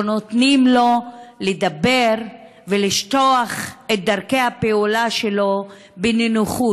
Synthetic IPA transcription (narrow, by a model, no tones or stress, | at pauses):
not̪nimlo̞led̪abe̞ʁ | veliʃt̪o̞aχet̚d̪aʁkejhapeulaʃelo̞ | beninuχu